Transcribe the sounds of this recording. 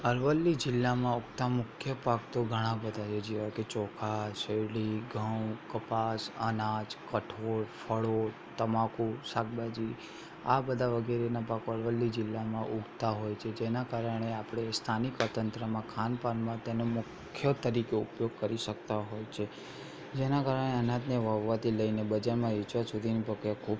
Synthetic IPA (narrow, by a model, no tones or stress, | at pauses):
əɾʋəlːid͡ʒɪlːamãuɡt̪amʊkʰjəpakt̪oɡʱəɽ̃ãbəd̪ʱad͡ʒed͡ʒiʋaket͡ʃɔkʰaʃeliɡʱəwkəpasə̰nad͡ʒkəʈʰoɾfʰəɭo | t̪əmakusak̚bad͡ʒi | a̰bəd̪ʱaʋəɡeɾenapakəɽʋəlːid͡ʒɪlːamãʔuɡt̪aɦojt͡ʃʰed͡ʒenakaɾəɳ̃eapɽ̃est̪ʰanikət̪ənt̪ɾəmãkʰanpanmãt̪enomʊkʰjət̪əɾikeupjoɡ̚kəɾiʃək̚t̪aɦojt͡ʃʰe | d͡ʒenakaɾəɳ̃eənãd̪niʋəʋːat̪iləijnebəd͡ʒaɾmãit͡ʃasud̪ʱinipəkakʰub